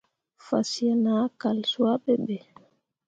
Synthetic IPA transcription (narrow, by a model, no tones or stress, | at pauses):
fa̰sianakalswaɓɛɓɛ